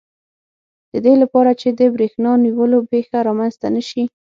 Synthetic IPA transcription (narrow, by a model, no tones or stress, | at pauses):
d̪̥əd̪elapɑɾat͡ʃed̪əbɾexnɑniwəlopexaɾɑmanzt̪anəʃi